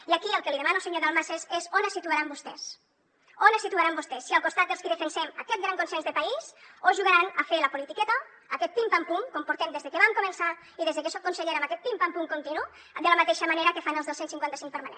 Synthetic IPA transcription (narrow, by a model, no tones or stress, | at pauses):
iakiəlˠkəliðemanulˠseɲoðalˠmasezezonəsːit̪uaɾambust̪ɛs | onesit̪uaɾambust̪ɛsːiəlˠkust̪at̪̚d̪əlˠskiðəfensɛmakɛt̪ɡɾaŋkonsɛnzðəpaisoʒuɣaɾanɐfeləpulit̪ikɛt̪ɐː | kɛt̪̚pimpampuŋkompuɾt̪ɛmd̪ezðəkeβamkomənsa | iðezðəkesɔk̚konseʎeɾamakɛt̪̚pimpampuŋkont̪inu | d̪ələmat̪eʃəmaneɾəkefanelzðosensiŋkwanɐsiŋk̚pəɾmanḛn